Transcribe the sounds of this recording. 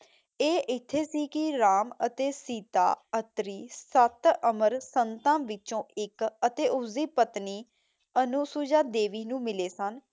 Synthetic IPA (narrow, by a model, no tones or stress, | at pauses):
eːʔɪt̪ʰːeːsiːkɪɾaːmət̪eːsiːt̪a̰ːət̪ɾiːsət̪əməɾsənt̪ãːʋɪt͡ʃõːɪkət̪eːʔʊsiːpət̪niː | ənʊsuːd͡ʒaːd̪eːʋiːnũːmɪleːsən